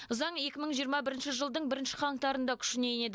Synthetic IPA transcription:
ʊzɑɴe̞kʲɪməɴʒijəɾmɑbɪɾɪnʃɪʒəlˠd̪əɴbɪɾɪnʃɪ̥qʰɑɴqt̪ɑɾənd̪ɑkʲʰʏ̥ʃɪnejne̞d̪ɪ

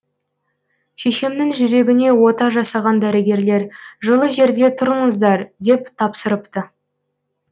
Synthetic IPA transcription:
ʃeʃe̞mnɪŋʒʏɾe̞ɡʲɪne̞wo̞t̪ɑʒɑsɑʁɑnd̪æɾɪɡʲe̞ɾle̞ɾʒəlˠəʒe̞ɾd̪e̞t̪ʰʊɾəɴəzd̪ɑɾd̪e̞pt̪ʰɑpsəɾəpt̪ə

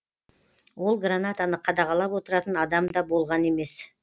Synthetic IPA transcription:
wo̞lˠɡranat̪anəqʰɑd̪ɑʁɑlˠɑpwo̞t̪əɾɑt̪ənɑd̪ɑmd̪ɑbo̞lˠʁɑne̞me̞s

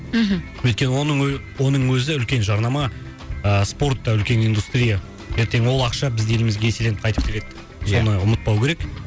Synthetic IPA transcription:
ɦ̩ | wɵt̪̚kʲe̞nwo̞nəɴwo̞nəɴwɵzɪʏlkʲe̞nʒɑɾnɑmɑ | əspo̞rt̪ːɑʏlkʲe̞nijnd̪ust̪ɾʲija | je̞ɾt̪e̞ŋwo̞lˠɑqʃɑbɪzd̪e̞ɪmɪzɡʲe̞se̞le̞nɪpqʰɑjt̪əp̚kʰʲele̞d̪ɪ | so̞nəʊmət̪̚pɑwkʲʰe̞ɾek

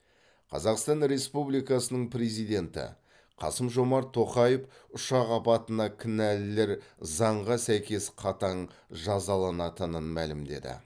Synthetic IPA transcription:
qʰɑ̰zɑqst̪ɑnɾe̞spublijkɑsənəɴpɾe̞zijd̪e̞nt̪ɪ̰ | qʰɑ̰səmʒo̞mɑɾt̪ʰo̞qɑjefʊʃɑʁɑpɑt̪ənɑkʲʰɪnælɪle̞ɾzɑɴʁɑsæjkʲe̞sqʰɑt̪ɑɴ | ʒɑzɑlˠɑnɑt̪ənənmælɪmd̪e̞̰d̪ɪ̰

